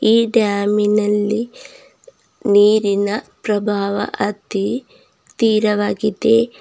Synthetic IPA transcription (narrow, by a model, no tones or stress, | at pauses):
iːɖaːminɐlːi | niːɾinɐpɾɐbʱaːʋɐ̰ʔɐt̪i | t̪iːɾɐʋaːɡid̪e